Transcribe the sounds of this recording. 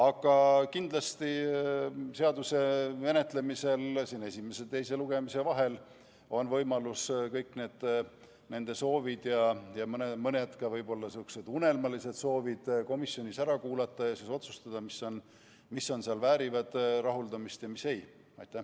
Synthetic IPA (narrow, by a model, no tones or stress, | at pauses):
ɑɡ̥ɑkind̪̥lɑst̪i | se̞ɑd̪use̞me̞ne̞t̪ˑle̞mise̞lsiːne̞sʲime̞set̪e̞jse̞luɡ̥e̞mise̞vɑɦe̞l | o̞nvɤjmɑluskɤjkˑne̞ːd̪̥ | ne̞nd̪e̞so̞ːvid̪̥jɑjɑmnemɤnet̪kɑvɤjbo̞lːɑsukse̞d̪une̞lmɑlise̞d̪̥so̞ːvid̪̥ko̞misjo̞nʲisæɾɑkuːlɑt̪ːˑɑjɑsiso̞t̪su̥st̪ɑd̪̥ɑmiso̞n | misːo̞nseɑlvæːɾivɑd̪̥rɑɦuld̪ɑmist̪jɑmise̞j | ɑjt̪ːˑæ